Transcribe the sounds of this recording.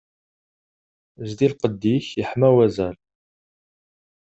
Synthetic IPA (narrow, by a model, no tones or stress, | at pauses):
zd̪ilqəd̪ːiçjəħmæwæzæl